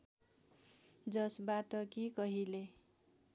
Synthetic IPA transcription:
d͡zʌsbatʌkikʌɦile

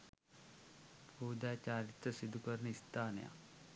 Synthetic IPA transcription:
pud̪at͡ɕaɾit̪ɾəsid̪ʱːukəɾnist̪aːnja̰

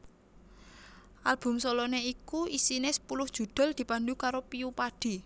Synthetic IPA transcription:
ʔalb̥ʊ̤msɔlɔneikuʔisinesə̥pulʊhd̥ʒ̥ṳd̪̥ɔ̤ld̪̥i̤pandukaɾopiupaɖ̥i̤

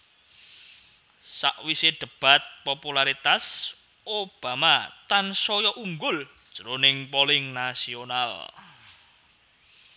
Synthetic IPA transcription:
sa̰ʔwiseɖ̪̥ə̤b̥a̤t̪̚populaɾit̪as | ob̥a̤mat̪ansɔjɔʔuŋɡʊld̥ʒ̥əɾonɪŋpolɪŋnasiona̰l

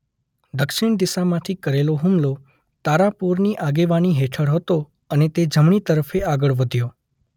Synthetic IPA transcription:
d̪əkʃɪɳd̪ɪsamãt̪ʰikəɾeloɦumlo | t̪aɾapuɾniʔaɡeʋaniɦeʈʰəɽɦət̪o | ənet̪ed͡ʒəmɳit̪əɾəfeaɡəɭʋəd̪ʱjo

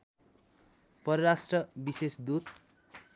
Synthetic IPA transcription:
pʌɾʌɾasʈrʌbisesd̪ut̪

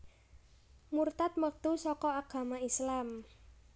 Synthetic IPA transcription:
murt̪at̪̚mək̚t̪usɔkɔaɡ̥a̤maislam

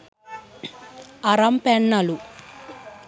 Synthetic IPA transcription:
ɐɾɐmpɛɳːɐlu

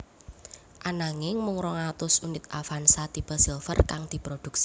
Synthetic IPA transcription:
ʔanaŋɪŋmʊŋɾɔŋat̪ʊsunɪt̪̚ʔafansat̪ipəlsilfərkaŋd̪̥i̤pɾod̪̥ṳksi̥

